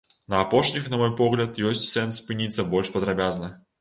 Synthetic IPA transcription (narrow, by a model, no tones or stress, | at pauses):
nɐːpɔʂnʲixnɐmɔjpɔɣlʲɐt̪jɔsʲtʲsɛnsːpɨnʲit̪sːɐbɔlʲʂpɐd̪ɾabʲaznɐ